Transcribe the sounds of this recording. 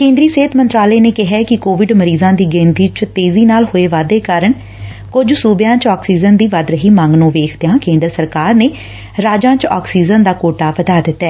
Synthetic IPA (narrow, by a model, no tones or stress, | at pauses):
kẽːnd̪ɾiːseːt̪ʰmə̃nt̪ɾaːleːneːkɪɦɛːkɪkoːʋɪɖməɾiːzãːd̪iːɡẽːnt̪iːt͡ʃt̪eːziːnaːlhoːeːʋaːd̪eːkaːɾəɳ | kʊd͡ʒsuːbjãːt͡ʃɔːksiːzənd̪iːʋad̪ɾəɦiːmãŋɡnũːʋeːkʰd̪ejãːkẽːnd̪əɾsəɾkaːɾneː | ɾaːd͡ʒãːt͡ʃɔ̰ːksiːzənd̪aːkoːʈaːpəd̪aːd̪ɪt̪ːɛː